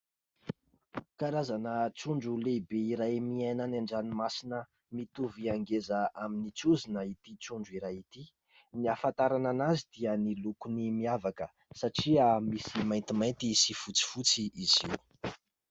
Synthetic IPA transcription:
kaɾazanət͡suɳɖ͡ʐulebeiɾajmiananaɳɖ͡ʐanimasinə | mit̪uviaŋɡezəaminit͡suzinəit̪it͡suɳɖ͡ʐuiɾajit̪i | niafant̪aɾananazid̪̥iənilukunimiavakə | saʈ͡ʂiəmisimajnt̪imajnt̪isifut͡si̥fut͡siʔizḭw

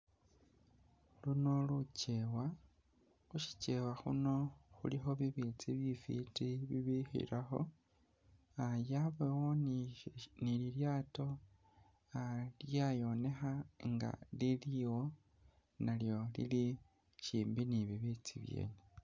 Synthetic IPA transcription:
luno̞lucewa | xuʃi̥t͡ʃe̞waxṵno̞xṵlixo̞βiβit͡siβjifḭtiβiβixḭɾʔaxo̞̰ | ajaβewon | nililjaːto̞ | aljajo̞ne̞xaŋɡa̰liliwo̞ | naljo̞lḭli | ʃiːmbiniβiβit͡sḭβje̞̰ːne

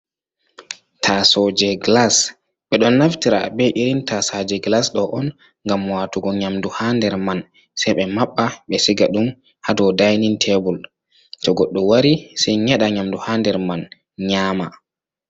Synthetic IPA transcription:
tʰasɔd͡ʒɛɡlas | ɓɛɗɔnːaftiɾa̰bɛʔiɾintasad͡ʒɛɡlasɗɔʔɔn | ŋɡamwaːtuɡɔɲamduhandɛɾman | sɛjɓɛmaɓːaɓɛsiɡaɗum | hadɔdajnintʰɛbul | tɔɡɔɗːɔwaɾisɛjɲɛɗaɲamduhandɛɾman | ɲaːma

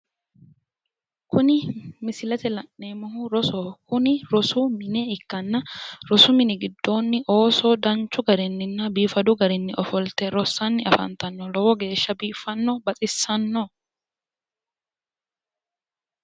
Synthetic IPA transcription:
kʊnɪmɪsɪlɐt̪ɛlɐnːeːmɔɦʊɾɔsɔːkʊnɪɾɔsʊmɪnɛɪkːɐnːɐɾɔsʊmɪnɪɡɪd̪ːo̞ːnːɪʔo̞ːsɔd̪ɐnt͡ʃːʊɡɐɾɛnːɪnːɐbiːfɐd̪ʊɡɐɾɛnːɪʔɔfɔlt̪ɛɾɔsːɐnːɪɐ̰fɐ̰nt̪ɐnːɔlɔwɔɡe̞ːʃːɐbiːfɐnːɔbɐt͡sʼɪsːɐnːɔ

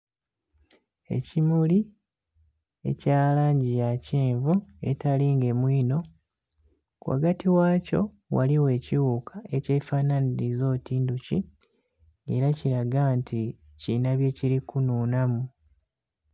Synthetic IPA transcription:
e̞̰cimuli | e̞̰caːlaːɲɟijaciːɱvue̞taliŋɡe̞mwiːno̞ | kwa̰ɡatiwaːco̞̰ | wa̰liwe̞ːciwukʰae̞ce̞ːfaːnaniɾizo̞ːtiːnducḭ | ḛɾaciɾaɡantʰi | cinaβje̞ciɾikunuːnamu

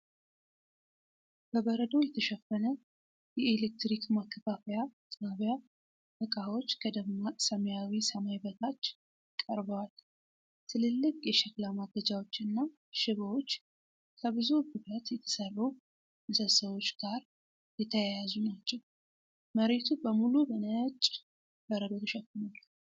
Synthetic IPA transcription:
b̥əβəɾəd̪o̞jɛt̪ʰəʃɛfːənə | jɛelek̚t̪ɾikmakʰːəfafəjat̪ʼaβja | bɨkʼawo̞t͡ʃːkʰəd̪əmːasəməjawisəmajbət̪ʰat͡ʃː | kʼəɾbəwal | t̪ʰɨlɨlːɨkʼjɛʃɛklamaɡəd͡ʒawo̞t͡ʃːɨnːa | ʃɪβəwo̞t͡ʃː | kʰəβɨzububat̪jɛt̪ʰə̥sərːu | mɨsəsəβwo̞t͡ʃːɡ̥aɾ | jɛt̪ʰəjajazunat͡ʃːɛw | məɾe̞t̪ʰubəmulubənəjt͡ʃʼ | bəɾəd̪əɡuʃɛkːɨnal

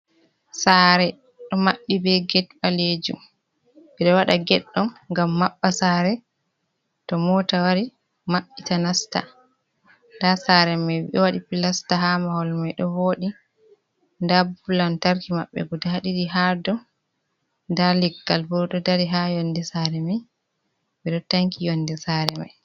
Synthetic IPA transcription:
saːɾɛ | ɗɔmaɓːibɛɡɛtɓaled͡ʒṵm | bɛɗɔwaɗaɡɛɗːɔmŋɡamːaɓːasaːɾɛ | tɔmɔtawaɾi | maɓːitanasta̰ | ndasaɾɛmajwḭɗɔwaɗipilastaɦamahɔlmajɗɔwoːɗi | ndabulantaɾkima̰ɓːɛ̰ɡudahaɗiɗiɦadɔ | ndalɛɡːalbɔɾɗɔdaɾiɦajɔndɛsaɾɛma | biɗɔtaŋkʰijɔnːdɛsaɾɛma̰j

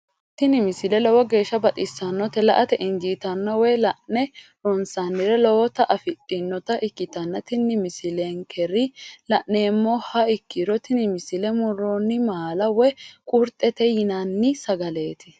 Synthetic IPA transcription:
t̪ɪnɪmɪsɪlɛlɔwɔɡe̞ːʃːɐbɐt̪ʼɪsːɐnːɔt̪ɛlɐʔɐt̪ɛʔɪnd͡ʒiːt̪ɐnːɐwɛlɐʔnɛ | ɾɔnsanːɪɾɛlɔwt̪ɐʔɐfɪtʼːɪnːɔt̪ɐʔɪkːɪt̪ɐnːɐt̪ɪnːɪmɪsɪleŋkʰɛɾɪlɐʔne̞ːmːɔhɐɪkːɪɾɔt̪ɪnɪmɪsɪlɛmʊɾɔnːɪmaːlɐwɛkʼʊɾt̪ʼːɛt̪ɛjɪnɐnːɪsɐɡɐle̞ːt̪ɪ̥

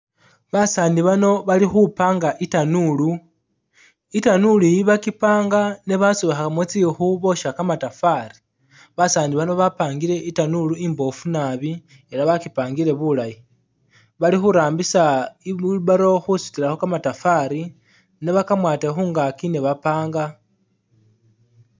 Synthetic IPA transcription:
βasaːndiβano̞βalixupaːŋɡaʔitanulu | itanulujiβakipaːŋɡaneβasoβaxakamwot͡sixuβo̞ʃakamatafaɾi̥ | βasaːndiβano̞βapaːŋɡile̞ʔitanuluimbo̞funaβi | elaβakipaːŋɡile̞βulaji | βalixuɾaːmbisaiuβaɾo̞xusu̥tilaxo̞kamatafaɾi | neβakamwaːtexuːŋɡakineβapaːŋɡa

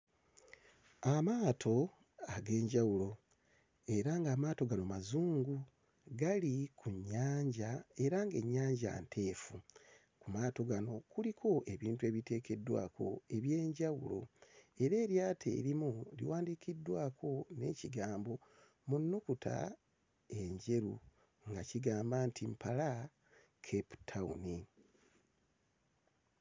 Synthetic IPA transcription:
amaːtʰo̞ | aɡe̞ːɲɟawulo̞ | e̞ɾaŋɡaːmaːto̞ɡanomazuːŋɡu | ɡalikʰuɲːaːɲɟae̞ɾaŋɡe̞̰ɲːaːɲɟa̰ntʰe̞ːfu | kumaːto̞ɡano̞kulikʰo̞ʔe̞βiːntue̞ːβite̞ːke̞dːwa̰ːkʰo̞̰e̞βje̞ːɲɟawulo̞̰e̞ɾe̞ːɾjaːtʰe̞̰ːɾimulḭwaːndikidːwaːkʰo̞ne̞̰ːciɡaːmbo̞ | munːukuta̰ | e̞ɲɟe̞ɾṵ | ŋɡaciɡaːmbaːntʰimpala | kʰepu̥tʰaṵni

